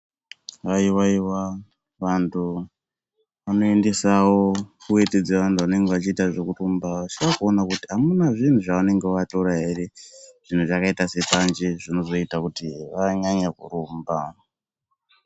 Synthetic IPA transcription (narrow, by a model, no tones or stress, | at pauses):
aiwaiwa | ʋantʰu | ʋano̞e̞ndesawo̞kuwe̞ted͡zeʋantʰuʋane̞ŋɡeʋat͡ʃiːtaʐe̞kurumbaʋat͡ʃirakuonakutiɦamunaʐin̤uʐaane̞ŋɡewato̞ɾaɦe̞ɾeʐ̥in̤uʐakaitase̞pand͡ʒiʐino̞zo̞itakutiʋaɲaɲakṵɾuːmba